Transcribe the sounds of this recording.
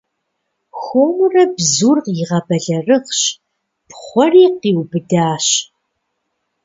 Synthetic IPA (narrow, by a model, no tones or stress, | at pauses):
xʷoːmurɐbzuːrqjɪʁɐbɐɮɐrɨχɕ | pχʷɔriːqiːwbɨdaːɕ